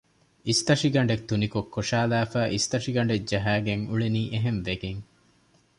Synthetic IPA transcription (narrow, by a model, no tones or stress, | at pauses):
ist̪ɐʂiɡɐɳɖet̪unikokʰːoʃaːlæːfæːʔist̪ɐʂiɡɐɳ̆ɖed͡ʒɐɦæːɡeŋuɭeniːʔeɦenʋeɡeŋ